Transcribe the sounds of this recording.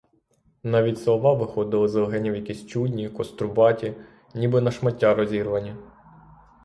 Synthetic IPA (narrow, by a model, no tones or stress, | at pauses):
nɑʋʲitʲslˠɔʋɑʋɪxɔd̪ɪlˠɔzɐlɦɛnʲiwjɐkʲisʲt͡ʃudʲnʲikɔst̪ɾʊbɑtʲi | nʲibɪnɐʃmɐtʲːaɾɔzʲirʋɐnʲi